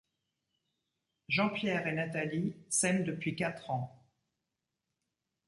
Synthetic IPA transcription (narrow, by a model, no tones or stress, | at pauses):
ʒɑ̃pjɛʁenat̪alisɛnd̪əpɥikat̪χɑ̃